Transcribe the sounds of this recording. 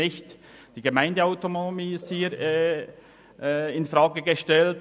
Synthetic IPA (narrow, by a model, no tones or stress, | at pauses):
ɪçtd̥iːɡəmaɪndəaʊtonmiːɪsthiːɾ | ɪnfɾaːɡəɡəʃtɛlt